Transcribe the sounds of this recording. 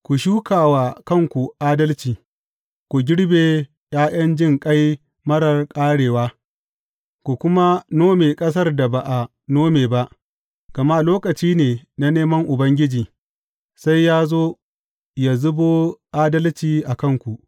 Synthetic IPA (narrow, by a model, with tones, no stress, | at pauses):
kʷu˨ʃuː˦kaː˨waː˨˦kɐ˦˨ŋkʷu˨ʔaː˦dɐ˦lt͡ʃiː˨ | kʷu˨ɡʲɪ˦ɽbeː˨ | j̰aː˦j̰ɐ˦nd͡ʒɪ˦ŋkʼɐ˦j | mɐ˦ɽɐ˨rkʼaː˦ɽeː˨waː˦ | kʷu˨kʷʊ˦ma˦noː˦meː˨kʼɐ˦s̬ɐ˦rda˨ba˨ʔa˨ | noː˦meː˨ba˦ʔ | ɡ̥ɐ˨ma˦loː˦kɐ˨t͡ʃiː˦neː˨na˦neː˦mɐ˦ŋʔʊ˨bɐ˦ŋɡʲɪ˦d͡ʒiː˨ | sa˦jːaː˦zoː˦ | ja˨zʊ˦boː˦ʔaː˦dɐ˦lt͡ʃiː˨ʔa˨kɐ˦˨ŋkʷu˨ʔ